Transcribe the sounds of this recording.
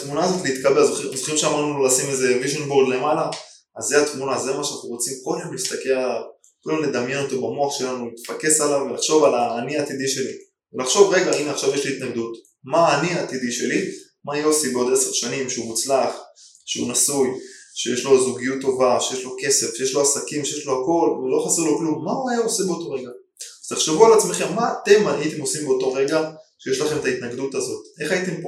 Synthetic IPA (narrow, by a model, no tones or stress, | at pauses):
at̪munaːzo̞t̪leit̪kabe̞lzoχizoχimʃeamaʁnulolasimeze̞viʒenboʁd̪le̞malaː | zːeat̪munazemaʃeantemʁo̞t͡simko̞lemlist̪akealav | kolemned̪amjenot̪obamoaχʃeeellanulit̪fake̞salavvelaχʃo̞valaːniaːt̪id̪iʃe̞li | velaχʃo̞vʁe̞ɡaineaχʃavjeʃliit̪naɡd̪ut̪ | maːniat̪id̪iʃe̞li | majeosibeo̞d̪eseʁʃanimʃeumut͡slaχ | ʃeunasujʃejeʃlo̞zuɡijutːo̞vaʃejeʃlo̞ke̞se̞fʃejeʃlo̞asakimʃejeʃlo̞ako̞lulo̞χaseʁloklumːauajaosebeoto̞ʁeɡa | az̥t̪eχʃe̞vualat͡smeχe̞mːaːt̪e̞majit̪e̞mosimbeoto̞ʁe̞ɡaʃeje̞ʃlaχe̞met̪ait̪naɡd̪ut̪azo̞t̪ʔe̞χajit̪e̞mp